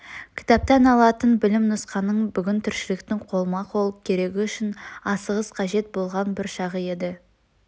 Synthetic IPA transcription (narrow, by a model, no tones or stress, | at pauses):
kʲʰɪ̥t̪ɑp̚t̪ɑnɑlˠɑt̪ənbɪlɪmnʊsqɑnːəɴbʏɡʲɪnt̪ʰʏɾʃɪlek̚t̪ɪŋqʰo̞lˠəmɑqʰo̞lˠəp̚kʲʰe̞ɾe̞ɡʲɪʏʃɪnɑsəʁəzqʰɑʒe̞t̪̚bo̞lˠʁɑnbɪɾʃɑʁəje̞d̪ɪ